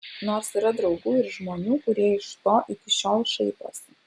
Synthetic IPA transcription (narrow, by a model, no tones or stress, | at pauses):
noːɾsɪɾɐd̪ɾɐʊɡuːɪɾʒmoːnʲuːkʊɾʲiɛɪʃt̪oːʔɪkʲɪʃʲoːlˠʃɛɪp̪o̰ːsʲɪ